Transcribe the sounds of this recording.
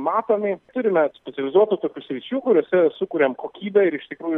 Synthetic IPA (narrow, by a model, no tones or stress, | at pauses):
mɑːt̪oːmʲɪt̪ʊɾʲɪmʲɛsʲpʲɛtsʲɛlʲɪzuɔt̪ʊt̪oːkʲuːsʲɾʲɪt͡ʃʲuːkʊɾʲuɔsʲɛsʊkʊɾʲeːmkoːkʲiːbʲɛɪɾɪʃt̪ʲɪkɾuːjʊ